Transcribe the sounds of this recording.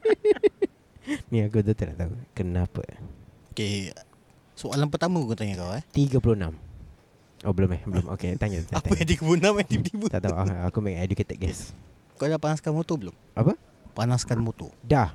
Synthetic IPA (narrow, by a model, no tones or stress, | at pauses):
niakud̪ut̪əna̰ʔt̪aukənãpə̰oke | soalanpət̪amə̃kkut̪aɲakawɛt̪iɡəpulʊnãm | ʔobəlʊmɛhbəlʊmʔo̰ket̪aɲat̪aap̪apəãt̪iɡəpulunãmɛt̪ipt̪ibut̪a̰ʔt̪auʔaakumɛkɛduket̪ək̚ɡɛs | kadapanaskanmot̪obəlʊm | ʔapə | panaskanmot̪o̰dah